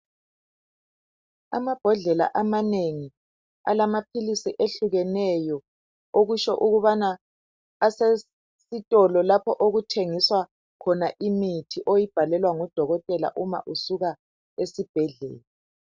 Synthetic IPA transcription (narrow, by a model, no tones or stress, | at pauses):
a̰mab̥ʱɔɮɛla̰ʔamaneŋi | a̰lamapʰilisiʔeɬuɣɛnɛjɔ | oɣuʃɔʔuɣuβanaː | se | sitʼɔlɔlapʰɔʔoɣutʰeŋiswa | kʰɔnaʔimitʰiʔojib̥ʱalɛlwaŋɔd̥ʱɔɣɔtʼɛla̰ʔuma̰ʔusuɣa | esib̥ʱɛɮɛ̰ːlɛ